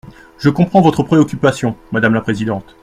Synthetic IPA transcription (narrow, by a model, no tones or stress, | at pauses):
ʒəkɔ̃pχɑ̃vɔt̪χəpχeɔkʲypasjɔ̃mad̪amlapχezid̪ɑ̃t̪